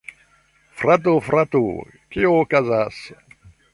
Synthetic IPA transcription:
fɾat̪̬ufɾat̪ṵ | kiokazas

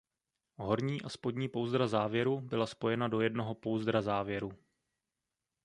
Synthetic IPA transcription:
ɦo̞ɾɲiːʔaspo̞dɲiːpo̞wzd̪ɾazaːvjɛɾubɪlaspo̞jɛnado̞jɛdno̞ɦo̞po̞wzd̪ɾazaːvjɛɾu

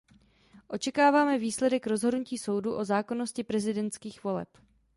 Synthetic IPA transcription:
ʔo̞t͡ʃɛkaːvaːmɛviːslɛdɛkɾo̞zɦo̞dnuciːso̞wduʔo̞zaːko̞no̞scɪpɾɛzɪdɛnt̪skiːxvo̞lɛ̰p

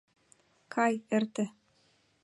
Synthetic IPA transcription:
kʰɑjɘ̆rt̪ɘ̆

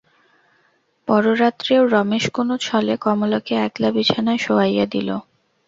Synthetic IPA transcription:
pɔɾoɾat̪ːɾeoɾɔmeʃkonot͡ɕʰɔlekɔmolokeɛklabit͡ɕʰanaeʃoajad̪ilo̰

